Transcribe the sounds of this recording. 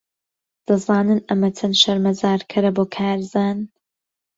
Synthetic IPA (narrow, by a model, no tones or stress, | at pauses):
d̪̥ɐzaːnɨnɐmɐt͡sʰɐnʃɐɾmɐzaːɾkʰɐɾɐboːkʰaːɾzaːn